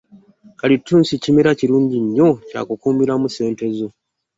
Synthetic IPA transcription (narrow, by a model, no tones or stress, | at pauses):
kalitʰːuːnsicimiɾaciɾuːɲɟiɲːo̞ca̰kukuːmbiɾamuse̞ːnte̞zo̞